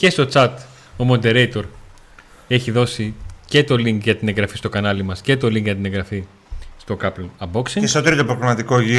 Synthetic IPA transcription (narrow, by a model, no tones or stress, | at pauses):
ce̞st̪o̞t͡sɐt̪ | o̞mo̞nd̪e̞ɾejt̪o̞ɾ | e̞çiðo̞sice̞t̪o̞liŋkʝɐt̪ine̞ŋɡɾɐfist̪o̞kɐnɐlimɐsce̞t̪o̞liŋkʝɐt̪ine̞ŋɡɾɐfi | st̪o̞kɐploɐbo̞ksiŋest̪ot̪ɾit̪opɾoɣlimɐt̪iko̞ʝi